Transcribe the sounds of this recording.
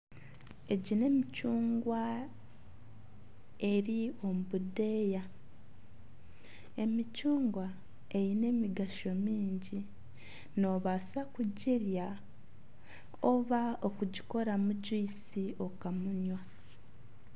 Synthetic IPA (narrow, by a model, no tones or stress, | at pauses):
e̞ɟine̞micuːŋɡwa | e̞ɾio̞mubude̞ja | e̞micuːŋɡwa | e̞jine̞miɡaʃo̞miːɲɟi | no̞βasakuɟiɾja | oβao̞kuɟiko̞ɾamuɟiːsio̞kamuɲwa